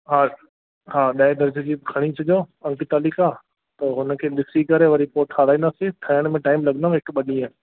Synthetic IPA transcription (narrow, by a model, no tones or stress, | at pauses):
ɦaː | ɦaːɗɐɪ̃d̪ɐɾd͡ʑed͡ʑiːkʰɐɽ̃isʰɐd͡ʒoɐ̃ŋkit̪aːliːka | t̪ɐɦʊnəkʰeːɗɪsikɐɾeʋɐɾipoʈʰaːɾaːinaset̪ʰɐjəɽ̃mẽʈaːɪmlɐɡnd̪aɦɪkɓɐɗĩẽː